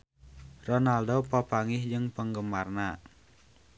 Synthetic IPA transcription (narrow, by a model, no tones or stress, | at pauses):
rɔnaldopapaŋɪhd͡ʒɨŋpəŋɡəmarna